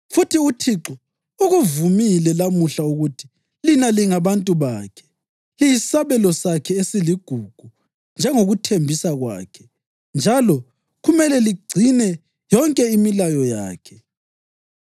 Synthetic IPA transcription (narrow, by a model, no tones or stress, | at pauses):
futʰiutʰiǁɔ | uɣuvumilɛlamuɬauɣutʰi̥ | linaliŋaβantʼuβaːkʰɛ̥ | ijisaβɛlɔsakʰɛesiliɡ̥ʱuɡ̥ʱu | nd͡ʒʱɛŋoɣutʰembʱisaɣwa̰ːkʰɛ̥ | nd͡ʒʱalɔ | ɣumɛlɛliɡ͡ǀʱinɛ | jɔŋkʼɛimilajɔja̰ːkʰɛ̥